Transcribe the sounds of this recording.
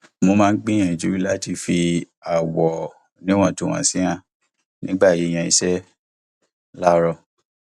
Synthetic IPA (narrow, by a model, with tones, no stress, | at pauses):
mo˧mãː˦˧n̩˦ɡ͡bĩ˦j̃ɛ̃˧˨ĩ˨d͡ʒu˦ɾi˦la˦ti˧fi˧ | a˨wɔ˨ | nĩ˦w̃ã˦˨to˨˦w̃ã̰˨sĩ˦ã˧ | nĩ˦ɡ͡ba˦˨ji˨˦j̃ɛ̃˧i˧sɛ˦ | la˦ɾɔ˧